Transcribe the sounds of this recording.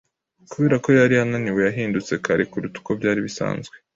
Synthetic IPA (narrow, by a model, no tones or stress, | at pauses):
kuβe̞ːɾako̞jaɾiananiwe̞jaɦiːndut͡se̞kʰaɾikuɾutu̥ko̞bɟaːɾiβisa̰ːnzɡwe̞